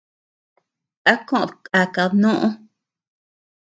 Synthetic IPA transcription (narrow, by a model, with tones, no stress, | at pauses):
a˦kõ˦ʔa˨ka˨˧nõ˦ʔõ˦